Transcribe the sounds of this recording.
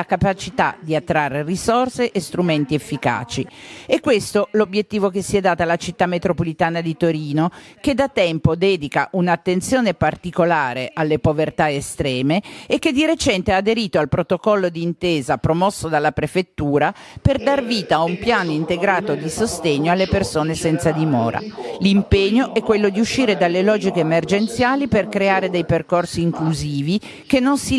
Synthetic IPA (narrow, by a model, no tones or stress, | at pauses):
akapat͡ʃit̪a̰d̪iat̪ːɾarːerisorseʔest̪ɾument̪iefːika̰ːt͡ʃiɛkːwest̪olobjet̪ːiːvokesːiɛd̪ːaːt̪alːat͡ʃit̪ːamːet̪ɾopolit̪aːnad̪it̪oɾiːnok̟ed̪at̪ɛmpod̪ɛːd̪ikaʔunat̪ːent̪sjoːnepart̪ikolaːɾeʔalːepovert̪aest̪ɾɛːmeːkːed̪iɾet͡ʃɛnt̪eaːd̪eɾiːt̪oalpɾot̪okɔlːod̪iːnt̪eːzapɾomɔsːod̪alːapɾefet̪ːuːɾaperd̪arviːt̪aumpjaːnoint̪eɡɾaːt̪od̪isost̪eɲːoalːepersoːnesɛnt̪sad̪imɔ̰ːɾa̰limpeɲːoʔɛkːwelːod̪iuʃːiːɾed̪alːelɔːd͡ʒikeːmerd͡ʒent̪sjaːliperkɾeaːɾed̪ɛjperkorsiːŋkluziːvi | k̟enːonsi